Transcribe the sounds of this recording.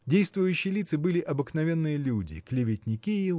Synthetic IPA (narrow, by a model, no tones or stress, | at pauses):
dʲejst̪vʊjʉɕːɪjəlʲit̪sɨbɨlʲɪʔɐbɨknɐvʲenːɨjəlʲudʲɪ̰klʲɪvʲɪtʲnʲɪkʲi